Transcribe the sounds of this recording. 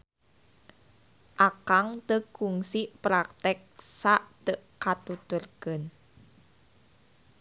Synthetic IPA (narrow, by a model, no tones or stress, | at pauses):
ʔakaŋt̪əɡ̥uŋsiʔpɾakt̪ɛk̚saʔt̪əʔkat̪ut̪ʊrɡ̥ən